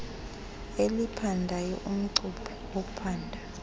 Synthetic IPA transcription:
elipʰandʱajɔ̰ʔum̩ǀupʰɔ̥ | ɔpʰaːndʱa

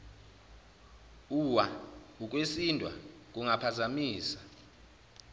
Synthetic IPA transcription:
uwauk̬ʼwesintʼwa̰ | k̬ʼuŋapʰazamiːsḁ

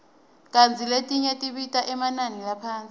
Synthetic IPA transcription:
k̬ʼant͡sʰʼiletʼiɲetʼiɓitʼaʔɛmananilapʰaːnt͡sʼi

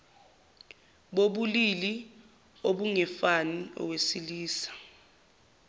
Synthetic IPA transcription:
ɓoɓulili | oɓuŋɛfaniɔ̰wesiliːsḁ

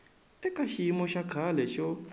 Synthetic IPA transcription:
ɛkʼaʃimɔʃakʰalɛʃɔ

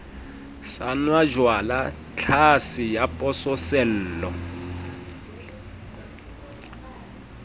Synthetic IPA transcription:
sanwad͡ʒwala | t͡ɬʰasɪjapʼɔsɔsɛl̩ːlɔ

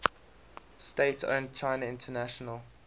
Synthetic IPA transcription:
steɪtʰõ̰ʊ̃n̚t͡ʃʰaɪnəɪ̃ntʰənaʃɔnəl

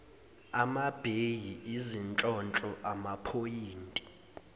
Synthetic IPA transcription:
amab̥ʱejiizint͡ɬʼɔnt͡ɬʼɔʔamapʰojiːntʼi̥

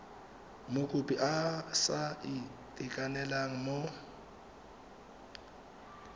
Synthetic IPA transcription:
mokʼʊpʼiʔasaɪtʼɪkʼanɛlaŋ̩mo

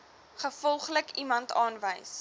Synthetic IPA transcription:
χəfɔlˠχləkimɐntɑːnvəjs

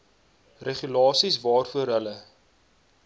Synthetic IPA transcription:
reχylɑːsisvɑːrfuəɾɦələ

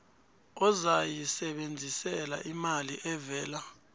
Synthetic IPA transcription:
ɔzajisɛɓend͡zʱisɛla̰ʔimaliʔɛvɛːla

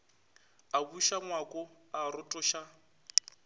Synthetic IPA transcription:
abuʃaŋwakʼɔaɾʊtʼɔʃa

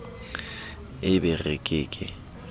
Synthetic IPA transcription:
ɪbɪrekʼeːkʼɪ

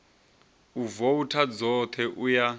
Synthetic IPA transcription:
uvoutʰad͡zɔt̪ʰɛʔuja

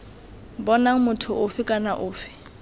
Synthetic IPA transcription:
bɔnaŋ̩mʊtʰʊʔʊfɪkʼanaʔʊːfɪ̥

